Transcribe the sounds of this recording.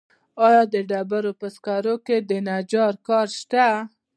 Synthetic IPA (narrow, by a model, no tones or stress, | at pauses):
ɑjɑd̪əɖabaɾopəskaɾoked̪ənad͡ʒɑɾkɑɾʃt̪a